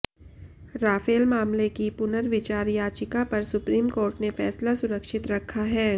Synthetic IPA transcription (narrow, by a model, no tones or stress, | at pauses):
ɾaːfeːlmaːmlekipʊnəɾʋɪt͡ʃaːɾjaːt͡ʃɪkapɐɾsʊpɾiːmkoːɾʈnefɛːslasʊɾəkʃɪt̪ɾɐkʰːaɦɛː